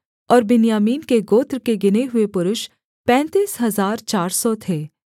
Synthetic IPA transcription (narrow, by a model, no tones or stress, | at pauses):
ɔːɾbɪnjaːmiːnkeɡoːt̪ɾkeɡɪneɦʊepʊɾʊʃ | pɛ̃ːnt̪iːsɦɐzaːɾt͡ʃaːɾsɔt̪ʰeː